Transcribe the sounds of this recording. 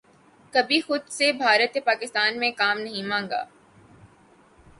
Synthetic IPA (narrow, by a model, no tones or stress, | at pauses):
kɐbʱixʊd̪sebʱaːɾət̪epaːkɪst̪aːnmẽkaːmnɐɦĩmãːŋɡa̰ː